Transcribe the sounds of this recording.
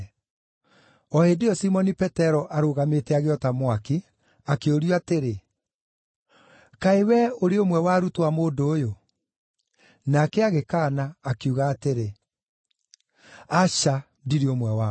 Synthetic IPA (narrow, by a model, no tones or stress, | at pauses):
ɔhedeɔsimɔnipɛtɛɾɔʔaɾoɣametɛaɣeɔtamwaki | akeoɾuateɾe | kaewɛoɾeomwɛwaɾutwamoːdoːjo | nakɛaɣekaːnaːkuɣaːteɾe | aʃa | diɾeomwɛwa